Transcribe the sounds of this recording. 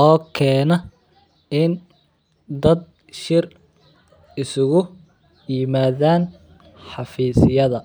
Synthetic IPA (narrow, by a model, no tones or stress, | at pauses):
ʔɔːkʰɛːnɐ | ɪn | d̪ɐd̪̚ | ʃɪr | ɪsʊɣʊ | jɪmaːðaːn | ħɑfiːsɪjɐðɐ